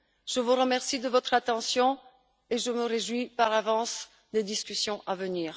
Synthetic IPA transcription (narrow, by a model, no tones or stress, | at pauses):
ʒ̥əvuʁəmɛʁsid̪əvɔt̪χat̪ɑ̃sjɔ̃ | eʒəməʁeʒwipaʁlavɑ̃s | d̪ed̪iskʲysjɔ̃ʔavəniːʁ